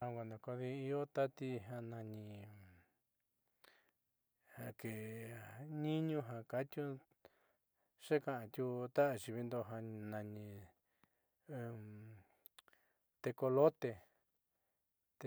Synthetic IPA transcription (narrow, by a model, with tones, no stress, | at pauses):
ã˧kʷa˧nã˨ko˧ði˧i˧o˦t̪a˦t̪i˧ɦã˧nã˧ɲĩ˧ | ha˧ke˨ | ɲĩ˦ɲũ˧ɦã˧ka˧t̪ʲju˦ | ʂe˦kã˨ʔã˧t̪ʲu˧t̪a˦ʔt͡ʃi˧βi˧nd̪o˧ɦa˧nã˨˧ɲĩ˧ | t̪e˧ko˧lo˦t̪e˧ | t̪e˧